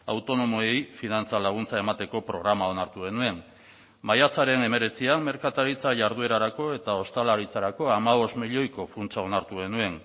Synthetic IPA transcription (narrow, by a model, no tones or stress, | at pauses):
a̰wt̪o̞no̞moejfinant͡salaɣ̞unt͡sae̞mat̪e̞ko̞pɾo̞ɣ̞ɾamao̞naɾt̪uɣe̞nue̞n | majat͡saɾe̞ne̞me̞ɾe̞t͡siamme̞ɾkat̪aɾit͡saʝaɾðue̞ɾaɾako̞e̞t̪ao̞st̪alaɾit͡saɾako̞amaβ̞o̞st̪miʎo̞jko̞funt͡ʃao̞naɾt̪uɣe̞nue̞n